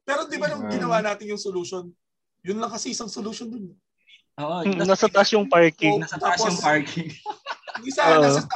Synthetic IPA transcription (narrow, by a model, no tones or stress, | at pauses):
pɛːɾod̪ɪbanʊŋɡɪnɐwaːnaːt̪ɪnjʊŋsoluʃon | jʊnlɐŋkɐsiʔɪsɐŋsoluʃond̪ʊnɐ | ʔoːʔom̩nɐsɐt̪ɐʔsjʊŋpaɹkɪŋɐt̪aːsoʊŋpaɹkʰɪŋd̪isaoʔ